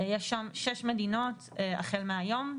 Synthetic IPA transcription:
jɛʃːamʃeʃme̞dino̞t | a̰χelmeajo̞m

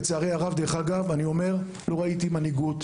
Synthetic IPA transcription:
t͡seaʁejaʁavd̪eχaɡavanio̞me̞ʁ | lo̞ʁait̪imaniɡut

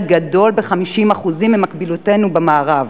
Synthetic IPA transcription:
d̪ɡado̞lbeχamiʃimaχuzimːimakbilute̞nubemaːʁav

